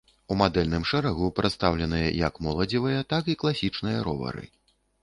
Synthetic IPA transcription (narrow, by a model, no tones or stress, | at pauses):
umad̪ɛlʲnɨmʂɛɾaɣupɾɨt̪st̪awlʲɛnɨjɐ̰jɐkmɔlˠɐd͡zʲivɨjɐt̪akiklˠasʲit͡ʂnɨjɐɾɔ̰vɐ̰ɾɨ̰